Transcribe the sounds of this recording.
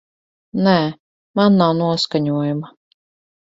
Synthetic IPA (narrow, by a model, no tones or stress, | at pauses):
næː | manːawnuɔskaɲuɔjama